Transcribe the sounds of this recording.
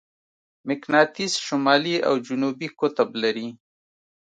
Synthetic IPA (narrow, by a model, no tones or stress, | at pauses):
mɪknɑt̪isʃʊmɑlia̰wd͡ʒʊnubikʊt̪ablaɾi